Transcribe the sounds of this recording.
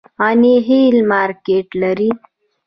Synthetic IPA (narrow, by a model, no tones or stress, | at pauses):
aneɦelmaːɾkeʈlaɾi